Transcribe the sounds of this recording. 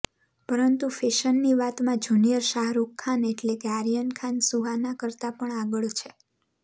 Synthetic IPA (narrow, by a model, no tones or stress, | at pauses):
pəɾənt̪ufeʃənːiʋat̪mãd͡ʒunijəɾʃaɦɾukʰːaneʈlekeaɾijənkʰansuɦanakəɾt̪apəɳaɡəɭt͡ʃʰe